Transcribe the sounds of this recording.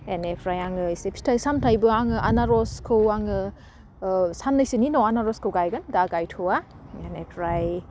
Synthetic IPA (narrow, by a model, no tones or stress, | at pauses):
enepʰɾajaŋɯisepʰi̥tʰajsamtʰajbɯaŋɯʔanaɾɔskʰɯwaŋɯ | sanːɯjsininɔwanaɾɔskʰɯwɡajɡɯndaɡajtʰoa | enepʰɾaj